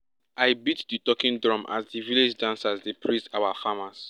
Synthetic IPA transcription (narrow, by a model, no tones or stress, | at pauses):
ajbitditɔkĩndɹɔ̃mʔa̰zdiviled͡ʒdãnsazdepʰɹistawafamas